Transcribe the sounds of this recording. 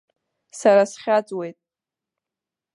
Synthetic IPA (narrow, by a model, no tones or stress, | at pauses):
saɾasχʲat͡sʼwe̞jtʼ